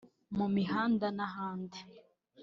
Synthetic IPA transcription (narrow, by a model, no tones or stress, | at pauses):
mumiɦaːndanaɦaːnde